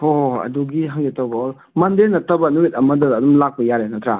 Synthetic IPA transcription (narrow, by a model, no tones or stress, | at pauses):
oɐ̰duɡiɦaŋɡitawbɐ | mɐndenɐtɐbɐnuit̚ɐmɐdɐːdumlak̚pɐjaɾenɐtʰɾa